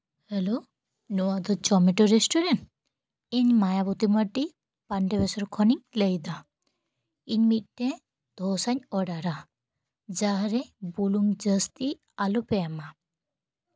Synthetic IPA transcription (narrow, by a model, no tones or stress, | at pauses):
hɛlo | nuwad̪ɔt͡ʃɔmiʈɔɾesʈuɾeɳʈ | iɲmajabut̪iməʈi | paɳɖeβɛsɔɾkʰɔniŋlejd̪a | iɲmit̪̚ˀʈẽ | d̪̥ʱɔsaɲɔɽaɾa | d͡ʒaɾebuluŋd͡ʒəst̪i | alupɛama